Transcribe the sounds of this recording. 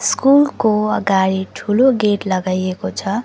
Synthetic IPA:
skulkoʌɡaɽiʈʰuloɡeʈlʌɡajekot͡sʰʌ

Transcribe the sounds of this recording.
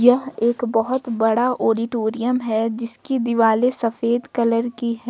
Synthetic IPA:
jɐɦeːkbɐɦʊt̪bɐɽaʔoːɖɪʈoːɾijəmɦɛd͡ʒɪskid̪ɪʋaːlesɐfeːd̪kɐləɾkiɦɛ

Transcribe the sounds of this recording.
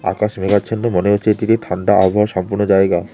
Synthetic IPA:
a̰kaʃmeɡaenːomoneɦotːɕʰet̪it̪it̪ʰaɳɖaʔa̰bʱaoɾʃɔmpuɾnod͡ʑaeɡa

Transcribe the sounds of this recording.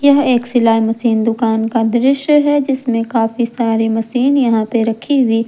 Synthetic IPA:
jɐɦeːksɪlaːɦimɐsiːnd̪ʊkaːnkad̪ɾɪʃɦɛd͡ʒɪsmẽkaːfisaːɾimɐsiːnjɐɦãpeɾɐkʰiɦʊiː

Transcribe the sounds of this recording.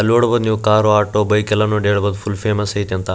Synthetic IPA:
loːɽbɐnjũkaːɾoaːʈoːbɐikɐlɐnõːɖeːɽbɐd̪fʰʊlfeːmɐsɐit̪ɐ̃nt̪ʰa

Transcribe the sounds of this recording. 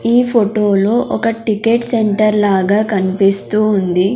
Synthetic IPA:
iːpʰoʈoːlo̞ːʔɔkɐʈikeːʈseɳʈɐɾlaːɡaːkɐnipist̪uːnd̪i

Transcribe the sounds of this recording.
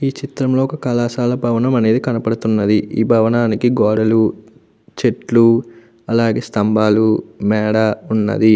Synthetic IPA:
iːt͡ʃit̪ɾɐmlo̞ːɔkɐkɐlaːsaːlɐbʱɐʋɐnɐmɐne̞ːd̪ikɐnɐpɐɽut̪unːɐd̪iḭːbʱɐʋɐnaːnikiɡɔːɽɐlu | t͡ʃeʈlu | ɐlaːɡeːst̪ɐmbʱaːlumɛːɽaːunːɐ̰d̪i

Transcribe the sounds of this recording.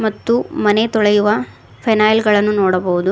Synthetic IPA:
mɐt̪ːumɐnet̪ɔɭɐjuʋɐ | pʰɐnaːjlɡɐɭɐnːunɔːɽɐbɐʋud̪u

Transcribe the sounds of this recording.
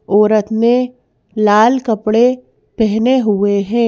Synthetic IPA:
ɔːɾət̪mẽ | laːlkəpɽe | pɛɦneɦʊeɦɛ̃ː

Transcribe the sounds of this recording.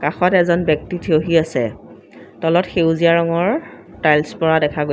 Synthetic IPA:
kaxɔtɛzɔnbjɔk̚titʰeoɦiasɛ | tɔlɔtxewziaɹɔŋɔɹ | tajlspɔɹadɛkʰaɡo

